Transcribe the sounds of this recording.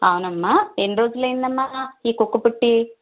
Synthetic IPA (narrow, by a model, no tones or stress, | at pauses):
aːwunɐmːaenɖɾoːd͡ʒulːɐind̪ɐmːaiːkukːupuʈːi